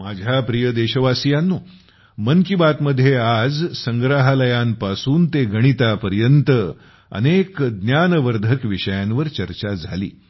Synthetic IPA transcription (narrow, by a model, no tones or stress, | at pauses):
mad͡ʑʱjapɾijəd̪eɕəʋasijanːuː | mənkibat̪məd̪ʱːjead͡zsəŋɡɾaɦaləjampasuːnt̪eɡʱəɽ̃it̪apəɾjənt̪ə | ə̰nekd̪njanʋəɾd̪ʱəkʋiɕəjãnʋəɾt͡ɕəɾt͡ɕad͡zʱalḭː